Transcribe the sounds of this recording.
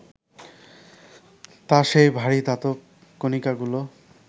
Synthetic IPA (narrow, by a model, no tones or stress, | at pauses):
t̪aʃejbʱaɾid̪at̪o | konikaɡulo